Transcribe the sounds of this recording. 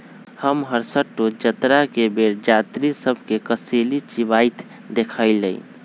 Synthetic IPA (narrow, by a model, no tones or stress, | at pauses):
həmɦəɾsəʈːod͡ʒət̪ɾakebeɾd͡ʒat̪ɾisəbʱkekəselit͡ʃibaɪt̪ʰ | d̪ekʰaɪlə̰ḭ